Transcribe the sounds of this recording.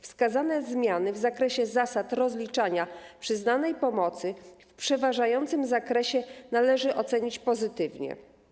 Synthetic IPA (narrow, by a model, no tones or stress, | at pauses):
fskazanɛzmʲjanɘvzakɾɛɕɛzasat̪ɾɔzlʲit͡ʂaɲapʂɘznanɛjpɔmɔt̪sɘfpʂɛvaʐajɔnt̪sɘmzakɾɛɕɛnalɛʐɘʔɔt̪sɛɲit͡ɕpɔzɘt̪ɘvɲɛ̰